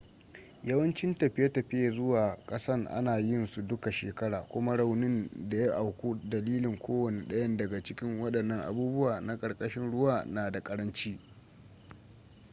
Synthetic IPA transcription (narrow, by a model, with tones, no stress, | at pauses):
jɐ˦wɐ˦nt͡ʃɪ˦ntɐ˨ɸɪ˦ja˦tɐ˨ɸɪ˦ja˨zʊ˦waː˨kʼɐ˦sɐ˦rʔa̰˦naː˨jɪ˦nsu˨dʊ˦ka˨ʃeː˨kɐ˦ɽaː˨kʷʊ˦ma˦ɽa˨wnɪ˦nda˨ja˦ʔa˨wkʷoː˦dɐ˨liː˦lɪ˨ŋkʷʰoː˦wɐ˨ni˨ɗɐ˦jɐ˦ndɐ˨ɡa˨t͡ʃɪ˦kʲɪ˦ŋwɐ˦ɗɐ˨nːɐ˦ŋʔa̰˨buː˦bʊ˦waː˨na˦kʼɐ˨ɾkʼɐ˦ʃɪ˦nɽʊ˦waː˦˨naː˨da˨kʼɐ˦ɽɐ˦nt͡ʃiː˦